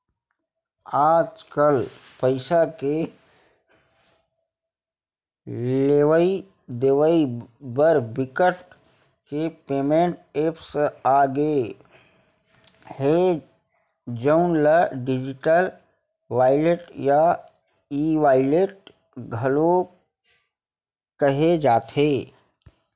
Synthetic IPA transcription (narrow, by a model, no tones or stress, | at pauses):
aːd͡ʒkəl | pəɪsake | leʋəi | d̪eːʋəibəɾbɪkəʈ | kepeːmẽɳʈeːpʰsaːɡe | he | d͡ʒəʊnləɖɪd͡ʒɪʈəl | ʋaːɪleʈja | iːʋaːɪleʈ̚ | ɡʱəlo | kəɦed͡ʒaːt̪ʰɦeː